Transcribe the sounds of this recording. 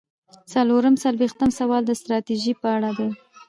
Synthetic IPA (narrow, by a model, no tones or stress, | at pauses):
saloɾəmsalwext̪əmsawɑld̪əst̪ɾɑt̪iʒipəaɽad̪aj